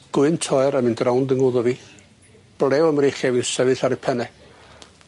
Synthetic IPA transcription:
ɡ̥ʊɨntʰɔɛɾəmɨndrawndəŋʊðɔvi | b̥lɛwəmɾeχjavisɛvɨɬaɾipʰɛnɛ

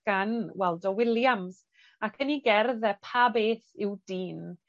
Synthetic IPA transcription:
ɡ̥anwɛlˠdɔwɪlˠjams | akʰəniɡɛrðɛpʰabeːθɪwdiːn

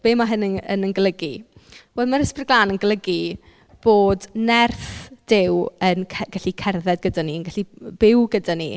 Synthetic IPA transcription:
b̥eːmaɦənəə̰nənɡlˠəɡiv̥ɛːdˠmaɾəsprɪɡlˠaːnənɡəlˠəɡi | b̥oːdnɛrθd̥ɪwənʰɡaɬikʰɛrðɛdɡədaniənɡaɬib̥ɪwɡədanḭ

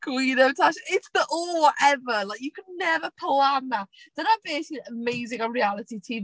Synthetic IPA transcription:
ɡ̥winəvtʰaʃə̃ɪtsðəʔɔːlˠwɔʔɛvəlaɪkjəkʰədⁿnɛvəpʰlanðəʔd̥əðəb̥eɪsɪkliəmeɪzɪ̃ŋə̃nɹialɪtitʰi

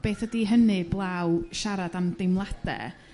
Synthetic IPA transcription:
b̥eːθədiɦənɨblˠawʃaɾadamdejmlˠad̥ɛ̰

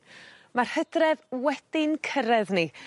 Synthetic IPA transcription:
mar̥hədrɛðwɛd̥ɪnkʰəɾɛðni

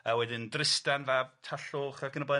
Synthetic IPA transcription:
əwɛdɪndrɪstanvavtʰaɬoːχaɡʰənəba

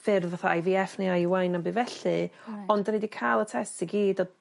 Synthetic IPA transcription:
fɪrðvaθaajviɛfniajwajnabɨvɛɬɨɔndnedikʰaːlˠətʰɛstiɡiːdɔ

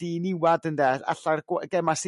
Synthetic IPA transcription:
d̥inɪwadəndɛa̰ɬarɡwɡɛmas

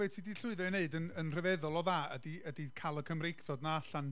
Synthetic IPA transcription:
ɛːtʰidiɬʊɨðɛneɨdənənr̥əvɛðʊlˠɔðaːədiədikʰalˠəkʰəmrɪksɔdnaaɬan

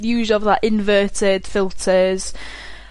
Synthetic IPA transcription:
jʉːʒəvðəʔɪ̃nvɜˑtɪd̥fɪlˠtʰəz̥

